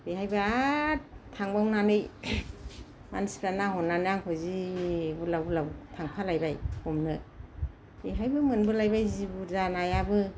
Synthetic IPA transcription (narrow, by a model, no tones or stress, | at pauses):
biɦajbɯa | tʰaŋbawnanɯj | ma̰nsiɾanaɦɔnanɯjaŋhʰɔzibulawlawtʰaŋpʰalajbajhɔmnɯ | biɦajbɯmɯnbɯlajbajzibuzanajabɯ